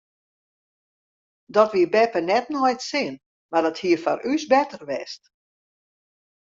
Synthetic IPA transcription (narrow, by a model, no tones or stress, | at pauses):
dɔtʋiəbɛpənɛtnɔjtsɪən | mardɔthiəfɔrʔysbɛtərʋɛst